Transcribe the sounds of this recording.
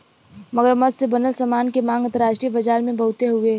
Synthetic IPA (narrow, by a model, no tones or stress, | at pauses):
mɐɡəɾmɐd̪sebɐnəlsəmaːnkemãːŋɡɐ̃nt̪əɾaːʃʈɾiəbɐd͡ʒaːɾmẽbʱɐɦʊt̪eɦʊeː